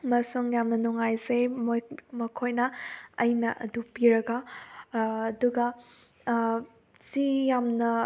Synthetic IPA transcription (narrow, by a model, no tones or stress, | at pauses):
mɐsuŋjamnɐnuŋajsemmɐkʰojnɐɐ̰jnɐʔɐ̰dupiɾɐɡɐː | duɡɐ | sijamnɐ